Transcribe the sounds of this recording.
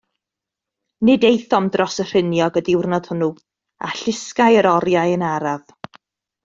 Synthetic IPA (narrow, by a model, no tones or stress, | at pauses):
nɪdejθɔmdrɔsər̥ɪnjɔɡədɪwrnɔd̥hənu | a̰ɬɪskajəɾɔɾjajənaɾav̥